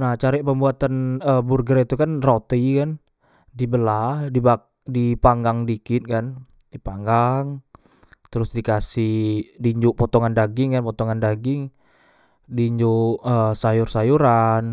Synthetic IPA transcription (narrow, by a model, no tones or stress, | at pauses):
naht͡ʃaɾɪʔpəmbuat̪anəburɡəɾit̪ukanrot̪ikan | dibəlahdiba | dipaŋɡaŋdikɪt̪̚kan | dipaŋɡaŋ | t̪əɾʊsdikasɪhdiɲd͡ʒuʔpɔt̪ɔŋandaɡɪŋkanpɔt̪ɔŋandaɡɪŋ | diɲd͡ʒuəsajʊrsajuɾan